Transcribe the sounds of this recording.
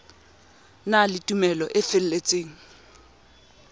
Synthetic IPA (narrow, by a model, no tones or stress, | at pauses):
nalɪtʼumɛlɔʔɪfɪl̩let͡sʼeːŋ̩